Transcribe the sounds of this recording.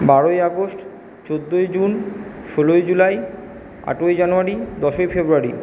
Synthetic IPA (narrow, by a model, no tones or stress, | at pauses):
baɾojaɡosʈ | t͡ɕod̪ːojd͡ʑunʃolojd͡ʑulaj | a̰ʈojd͡ʑanuaɾid̪ɔʃojfebɾuaɾḭ